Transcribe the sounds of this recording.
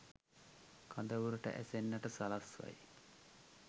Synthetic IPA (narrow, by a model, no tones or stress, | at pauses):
kʰand̪əʋuɾuʈə̰ʔæsenːəʈəsalasʋa̰j